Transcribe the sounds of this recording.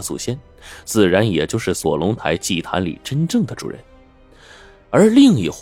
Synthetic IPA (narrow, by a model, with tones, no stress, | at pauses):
t͡sṵ˨˩ɕjɛ˥n | t͡sɹ̩˥˩ɻa˧˥njɛ˨˩t͡ɕjo˥˧ʊʂɻ̩˥˩swɔ̰˨˩lʊ˧˥ŋt̪ʰa˧˥ɪt͡ɕi˥˩t̪ʰa̰˧˥nlḭ˨˩ʈ͡ʂə˥nʈ͡ʂɤ˥˩ŋd̪ə˩ʈ͡ʂṵ˨˩ɻə̰˧˥˦n | ə˞˧˥li˥˧ŋi˧˩x